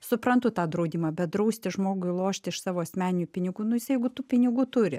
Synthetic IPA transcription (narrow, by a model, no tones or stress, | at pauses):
sʊpɾɐnt̪ʊt̪ɑːd̪ɾɐʊd̪ʲiːmɑːbʲɛt̪̚d̪ɾɐʊsʲt̪ʲɪʒmoːɡʊɪlˠoːʃʲt̪ʲɪɪʃsɑːʋoːɐsʲmʲæːnʲɪnʲʊpʲɪnʲɪɡuːnʊjɪsɐjɛɡʊt̪uːpʲɪnʲɪɡuːt̪ʊɾʲɪ̰